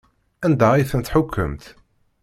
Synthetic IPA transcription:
ænd̪æiθənt̪ħʊkʰːə̰mt̪

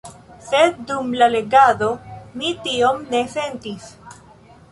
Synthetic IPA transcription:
sed̪̚ːumlale̞ɡad̪o̞mitio̞mne̞se̞ntis

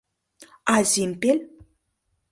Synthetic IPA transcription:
azimpel

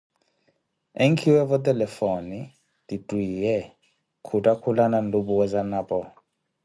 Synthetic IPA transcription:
eŋkʰiwɛvɔtʼɛlɛfɔni | ditʼwiːjɛ | kʰutʼakʰulanandubuwɛzanapɔ

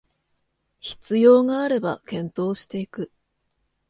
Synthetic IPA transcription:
çi̥t͡sɨjo̞ːŋaːɾe̞ba̰kẽ̞nt̪o̞ːɕi̥t̪e̞ikɯ̟

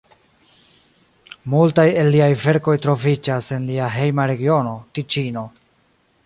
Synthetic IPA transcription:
multaje̞lːiajve̞ɾko̞jtɾo̞vid͡ʒase̞nliaɦe̞jmaɾe̞ɡio̞no̞tit͡ʃino̞

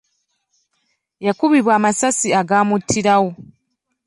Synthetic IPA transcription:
jakuβiβwaːmasasiaɡaːmutʰːiɾawo

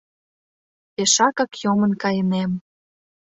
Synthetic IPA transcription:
peʃɑkɑkjomə̆nkɑjənem

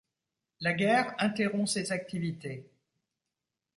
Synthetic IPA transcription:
laɡʲɛʁɛ̃t̪eʁɔ̃sezak̚t̪ivit̪e

